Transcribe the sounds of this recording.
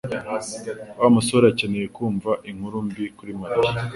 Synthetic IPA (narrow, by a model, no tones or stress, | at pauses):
wamusoɾacenejekuːɱvaʔiŋ̥huɾumbikuɾimai